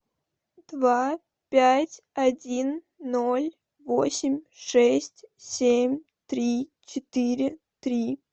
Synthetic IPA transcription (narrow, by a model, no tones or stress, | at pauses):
d̪va | pʲætʲ | ɐdʲinː | olʲ | vosʲɪmʲʂɛsʲtʲsʲemʲ | t̪ɾʲit͡ɕɪt̪iɾʲɪ | t̪ɾʲi